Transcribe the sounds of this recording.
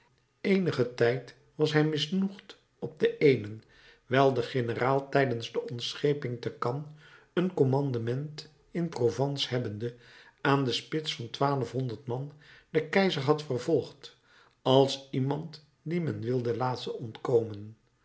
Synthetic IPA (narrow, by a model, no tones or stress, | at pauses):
ejnəχətɛjt | ʋɑsɦɛjmɪsnuχt | ɔb̚dəʔejnən | ʋɛlˠdəχɪnəraːlˠtɛjdənzdəɔnsχejpɪŋtəkɑn | ənkomɑndamɛnt | ɪnprovɑnshɦɛbəndə | aːndəspɪtsfɑntʋaːləfɦɔndəɹtmɑnd̥əkɛjzəɹɦɑtfərvɔlˠχt | ɑlˠsimɑnt | dimɛnʋɪlˠdəlaːtsəɔntkowmən